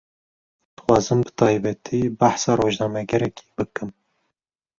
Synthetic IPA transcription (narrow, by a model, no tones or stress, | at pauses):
d̪̥ɨ̥xʷwɑːzɨmbɨ̥t̪ʰɑːjbɛt̪ʰibaħsɑːɾoːʒnɑːmɛɡɛɾɛkʰi̥ːbɨkɨm